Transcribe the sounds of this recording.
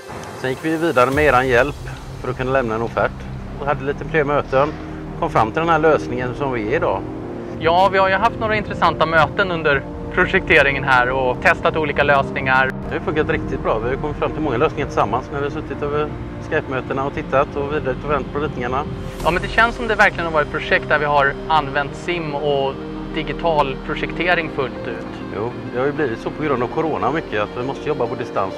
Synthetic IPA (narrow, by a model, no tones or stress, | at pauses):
sɛnjɪkːvɪviːd̪aɾəmɛeːɾanjɛlp | fœɾɔkʰɵnːalɛmnaɛnuːfæʈː | ɔhad̪ːəliːt̪əpʰɾeːmøːt̪ən | kʰɔmfɾamːt̪ɪld̪ɛnɦæːɭøːsnɪŋənsɔmvɪɪd̪ɑ̰ː | jɑːvɪhaɾjɵɦaft̪noːɾaɪnt̪ɾɛsant̪amøːt̪ənɵnd̪əɾ | pʰɾʊʂɛk̚t̪ʰeːɾɪŋənɦæːɾɔt̪ʰɛst̪at̪uːliːkaløːsnɪŋaɾd̪ɛhajʏfɵŋkat̪ɾɪk̚t̪ɪt̪̚bɾɑːvɪhajʏkʰɔmːɪt̪fɾamt̪ɪlmɔŋːaløːsnɪŋaʈʰɪsamːansnæɾvɪhasɵt̪ːɪt̪øːvə | skajpmøːt̪əɳaɔt̪ʰɪt̪ʰːat̪ʰɔviːd̪ɾaʉt̪ɔvɛnt̪ːpʰɔɾiːt̪nɪŋaɳa | jɑːmɛnd̪ɛɕɛnsɔmd̪ɛvæɾklɪɡənavɑːɾət̪̚pʰɾʊʂɛkt̪̚d̪æɾvɪɦaɾanːvɛnt̪sɪmːɔ | d̪ɪɡɪt̪ʰɑːlpʰɾʊʂɛkt̪ʰeːɾɪŋfɵlt̪ʉ̟ːt̪ | jṵː | d̪ɛhaɾjʏbliːvɪt̪sɔpʰɔɡɾɵnd̪avkʰʊɾoːnamʏkʰːəat̪vɪmɔst̪əjɔbːapɔd̪ɪst̪a̰ns